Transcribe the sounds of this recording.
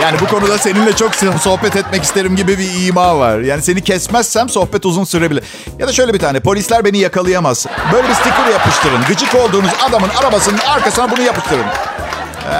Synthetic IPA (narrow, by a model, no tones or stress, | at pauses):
jaːnibuko̞nud̪ase̞ninlʲɛt͡ʃʰo̞ksso̞hbɛt̪ɛt̪mɛcist̪e̞ɾimɟibibiiːmaːva̰ɾ̥jaːnise̞nicɛsmɛsːænso̞hpɛt̪uzunsyɾebilʲɛɾ | jad̪aʃø̞jlʲɛbit̪ʰaːnɛpo̞lʲislʲæɾbe̞nijakalˠɯjamaz̥bø̞jlʲɛbist̪ikʰuɾʲjapɯʃt̪ʰɯɾɯnɡɯt͡ʃɯko̞lˠd̪uːnuzad̪amɯnaɾabasɯnɯnaɾkasɯnabunujapɯʃt̪ʰɯɾɯn | ɛ̰